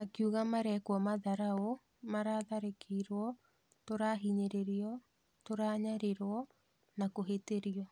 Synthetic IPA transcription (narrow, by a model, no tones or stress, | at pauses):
nakiuɣamaɾɛkwɔmaðaɾao | maɾaðaɾekʰeiɾwɔ | toɾaːɦiɲeɾeɾiɔ | toɾaɲaɾeɾwɔ | nakoɦeteɾiɔ